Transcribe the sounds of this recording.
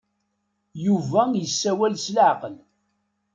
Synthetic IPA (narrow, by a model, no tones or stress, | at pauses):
juvæjəsːæwælslʕqəl